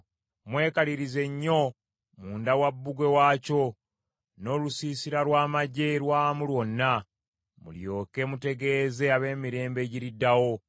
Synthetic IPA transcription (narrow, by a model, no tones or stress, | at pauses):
mwe̞ːkaliɾize̞ɲːo̞ | muːndawabːuɡwe̞waːco̞ | no̞ːlusiːsiɾalwaːmaɟe̞lwaːmulwo̞nːa | mṵljo̞ːke̞mute̞ɡe̞ːze̞aβe̞ːmiɾe̞ːmbe̞ːɟiɾidːawo̞